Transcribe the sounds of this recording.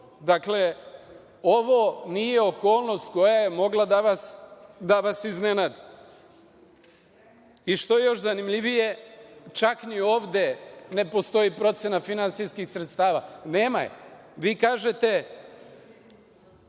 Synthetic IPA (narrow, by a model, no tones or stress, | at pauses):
d̪akle̞ | o̞ʋo̞nije̞o̞ko̞ːlˠno̞st̪ko̞jaje̞mo̞ɡlad̪aʋasd̪aʋasiznenad̪i | iʃt̪o̞jejo̞ʃzanimʎiʋije̞t͡ʃaknio̞ːʋd̪e̞ne̞po̞st̪o̞jipɾo̞t̪sjenafinant̪sijskixsɾet̪st̪aːʋa̰ne̞ːma̰jeʋiːkaːʒe̞t̪e̞